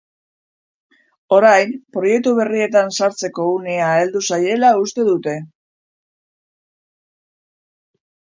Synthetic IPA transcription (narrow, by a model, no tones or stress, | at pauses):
o̞ɾajmpɾo̞je̞k̚t̪uβ̞e̞rie̞t̪ansaɾt͡se̞ko̞uneaeld̪usaje̞laust̪e̞ðut̪e̞